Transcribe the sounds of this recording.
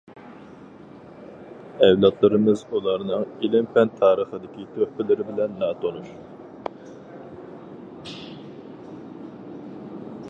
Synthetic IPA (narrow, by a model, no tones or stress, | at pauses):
ɛwlˠɑt̪ʰlˠɨɾɨmɨzulˠɑɾnɨŋilɪmpʰɛnt̪ʰɑːɾəχəd̪ɪkʲit̪ʰøhpɪlɪɾɪbɪlɛnːɑːt̪ʰonuɾ